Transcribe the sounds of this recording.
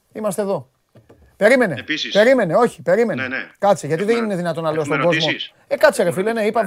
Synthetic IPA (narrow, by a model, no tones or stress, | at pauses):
imɐs̬t̪eðo̞ | pe̞ɾime̞nḛpe̞ɾime̞neo̞çi̥pe̞ɾime̞nḛkɐt̪t͡siʝɐt̪iðennine̞ðinɐt̪o̞nːɐle̞ost̪oɡo̞zmo̞ | ekɐt͡siɾefileneipɐ